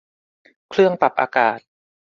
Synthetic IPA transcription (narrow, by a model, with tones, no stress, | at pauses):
kʰlɯ˥˩əŋpa˨˩p̚ʔa̰ː˧kaː˨˩t̪̚